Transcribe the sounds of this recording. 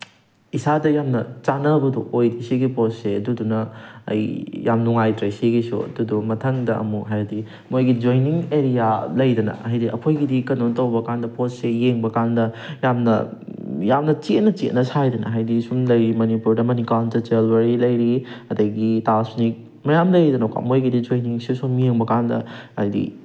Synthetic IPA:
isadɐjamnɐt͡ʃanɐbɐduʔojdisiɡiposeɐdudunɐɐ̰jjamnuŋajtɾɐsiɡisṵɐ̰dudumɐtʰɐŋdɐʔɐ̰muɦajɐdi | mojɡid͡ʒojniŋeɾijalɐjdɐnɐ̰ɐɦɐjdiʔɐ̰kʰojɡidikɐnontɐwbɐkandɐpossejeŋbɐkandɐjamnɐ̰jamnɐt͡ʃet̚nɐt͡ʃet̚nɐsajdɐnɐ̰ɦajdisuŋlɐjɾimɐnipuɾdɐmɐnikantɐt͡ʃelbɐɾilɐjɾiɐdɐɡitasunik̚ | mɐjamlɐjdɐnoka̰mojɡidid͡ʒojniŋsisumijeŋbɐkandɐ̰ajdḭ

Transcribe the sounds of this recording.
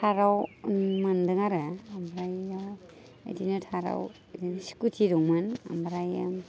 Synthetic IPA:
tʰaɾawmandɯŋaɾaambɾaja | ḛdinɯtʰaɾa̰w | edinɯsi̥kutʰiɾɔŋmana̰mbɾaja̰

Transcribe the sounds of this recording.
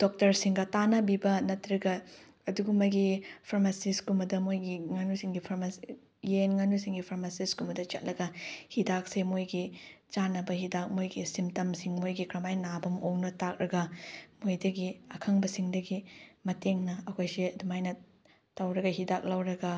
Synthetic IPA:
d̥ok̚tɐɾsiŋɡɐtanɐbibɐnɐtɾɐɡɐ | ɐduɡumɐɡipʰɐɾmasiskumɐdɐmojɡiŋɐnusiŋɡipʰɐɾmas | jenŋɐnusiŋɡipʰɐɾmasiskumɐdɐt͡ʃɐ̰t̚lɐɡɐhidak̚semojɡit͡ʃanɐbɐhidak̚mojɡisimtɐmsiŋmojɡikɾɐmajnabɐmoŋnɐtak̚ɾɐɡɐmojdɐɡiɐkʰɐŋbɐsiŋdɐɡimɐteŋnɐːkʰojsiɐdumajnɐ | tawɾɐɡɐɦidak̚lawɾɐɡɐ

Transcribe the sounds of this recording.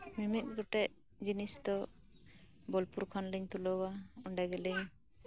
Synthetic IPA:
mimit̪̚ˀɡɔʈɛʔ | d͡ʒinisd̪ɔ | bɔlpuɾkʰɔnliɲt̪ulɔwauɳɖaɡɛliɲ

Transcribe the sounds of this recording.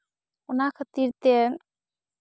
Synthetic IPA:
unakʰət̪iɾt̪en

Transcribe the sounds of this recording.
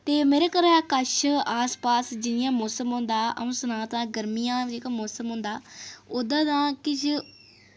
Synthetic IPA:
t̪eːmeːɾeːkəɾaːkəʃaːspaːsd͡ʒɪnɪjãːmoːsəmɦʊ̃nd̪aːʔə̰̃sənãːt̪ãːɡəɾmijãːd͡ʒeːkaːmoːsəmɦʊ̃nd̪aːod̪ãːd̪ãːkɪt͡ʃʰ

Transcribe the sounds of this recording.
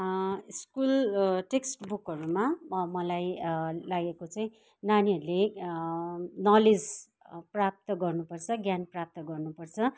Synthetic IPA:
iskulʈeksʈbukʌɾumamʌlajlaɡekot͡sʌĩ | naniɦʌɾule | nʌled͡z | prap̚t̪ʌɡʌrnupʌrt͡sʰʌɡjanprap̚t̪ʌɡʌrnupʌrt͡sʰʌ

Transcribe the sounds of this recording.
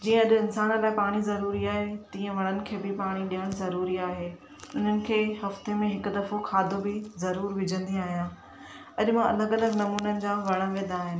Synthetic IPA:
d͡ʑiːə̃ɐɗɪnsaːnəlaːɪpaːɽ̃izɐɾuːɾiaːɦet̪ĩːə̃ʋɐɽ̃ənɪ̆kʰeːbɪpaːɽ̃iɗijəɽ̃zɐɾuːɾiaːɦeː | ʊn̤ənɪ̆kʰeːɦɐft̪emẽɦɪkʊ̆d̪ɐfokʰaːd̪ʱobɪzɐɾuːɾʋɪd͡ʑʱə̃nd̪iaːɦijãː | ɐʄʊmãɐləɡɐləɡnɐmuːnənɪ̆d͡ʑãʋɐɽ̃ə̃ʋẽːnd̪aːɦɪnɪ̆

